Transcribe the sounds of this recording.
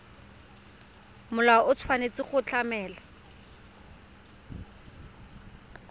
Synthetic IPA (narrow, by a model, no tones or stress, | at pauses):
mʊlaɔʊt͡sʰwanet͡sɪχʊt͡ɬamɛːla